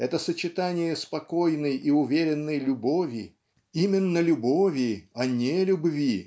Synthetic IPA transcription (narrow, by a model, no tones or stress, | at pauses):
ɛt̪əsət͡ɕɪt̪anʲɪjəspɐko̞jnəjiʊvʲeɾʲɪnːəjlʲʊbo̞vʲɪ | imʲɪnːəlʲʊbovʲɪɐnʲelʲʊbvʲi